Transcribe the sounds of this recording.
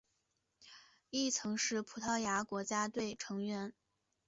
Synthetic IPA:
i˥˩t͡sʰɤ˧˥ŋʂɻ̩˥˩pʰu˨˧˥t̪ʰɑ˥˩ʊja˧˥kwɔ˧˥t͡ɕja˥t̪we˥˩ɪʈ͡ʂʰɤ˧˥ŋɥɛ˧˥n

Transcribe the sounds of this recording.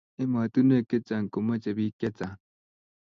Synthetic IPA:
e˦ma˨t̪u˦ne˦˨ke˦t͡sa˨ŋ˨ko˨ma˦t͡ʃe˨bi˦kɛ˦t͡sa˨

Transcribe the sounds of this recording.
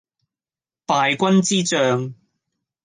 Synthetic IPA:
paː˨jkʷɐ˥nt͡siː˥t͡ʃœː˧ŋ

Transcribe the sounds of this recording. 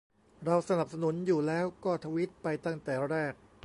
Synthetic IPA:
ɾa˧wsa˧na˨˩p̚sa˧nu˩˦njuː˨˩lɛː˦˥wkɔː˥˩t̪ʰa˧wi˦˥t̪̚pa˧jt̪a˥˩ŋt̪ɛː˨˩ɾɛː˥˩k̚

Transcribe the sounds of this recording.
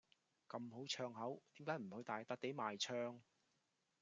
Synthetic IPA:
kɐ˧mɦo˨˥wt͡ʃʰœː˧ŋɦɐ˨˥wt̪iː˨˥mkaː˨˥jm̩˨˩hɵ˧ɥt̪aː˨jt̪ɐ˦˥k̚t̪e˨˥jmaː˨jt͡ʃʰœː˧ŋ

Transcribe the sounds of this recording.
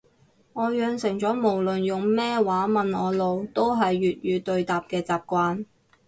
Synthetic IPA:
ŋɔː˨˧jœː˨˧ŋsɪ˨˩ŋt͡sɔː˨˥mo˨˩wlɵ˨njʊ˨ŋmɛː˥waː˨˥mɐ˨nɔː˨˧lo˨˧wt̪o˥wɦɐ˨jːyː˨t̚jyː˨˧t̪ɵ˧ɥt̪aː˨p̚kɛː˧t͡saː˨p̚kʷaː˧n

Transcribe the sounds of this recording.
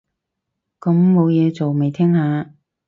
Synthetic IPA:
kɐ˨˥mːo˨˧wjɛː˨˧t͡so˨wme˨jt̪ʰɪ˥ŋhaː˨˧

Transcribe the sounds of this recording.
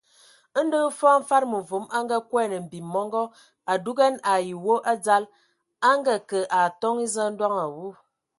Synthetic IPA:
n̩˦də˦fɔ˦m̩˦fa˦ɾmə˨vu˨˦ma˦ŋ˦ɡa˦kwɛ˦˨nə˨m̩˨bi˨mɔ˦ŋɡɔ˦ | a˨du˦ɡɛ˦na˨ji˨wo˦ʔa˦d͡za˦l | a˦ŋɡə˦kə˨ʔa˨tɔ˦ŋi˦zə˦n̩˦dwa˦ŋa˨wu˦

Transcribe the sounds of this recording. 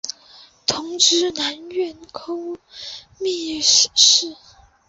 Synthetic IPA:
t̪ʰʊ˧˥ŋʈ͡ʂɻ̩˧˥na˧˥nɥɛ˧˥nkʰo˥ʊ | mi˥˧˥ʂ̩˨˩ʂɻ̩˥˩

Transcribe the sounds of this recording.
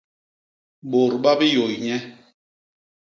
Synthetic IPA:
ɓo˨ɾɓa˦bi˦jo˨jɲɛ˦

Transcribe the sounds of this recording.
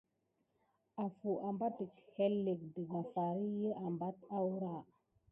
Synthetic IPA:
a˨fu˨ʔa˨mba˦tə˨khe˦lːe˨k̚də˨ɡa˨fa˨ɾi˦jə˦ʔa˨mba˦ta˦wɾa˦˨

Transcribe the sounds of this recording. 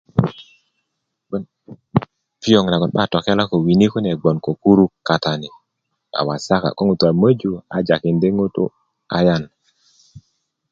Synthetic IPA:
ɓɔ˨n | pi˦jo˨ŋna˨ɡɔ˨nɓa˦˨to˨ke˦la˦ko˨wi˨ni˦kɔ˦ne˨ɡ͡bɔ˨nko˨ku˦ɾu˦ka˨ta˨ni˨ | a̰˨wa˨sa˦ka̰˨ko˦ŋu˨tu˨a˨mə˦d͡ʒu˨a̰˨d͡ʒa˨ki˨nde˦ŋo˦to̰˦ | a˨ja˦˨n

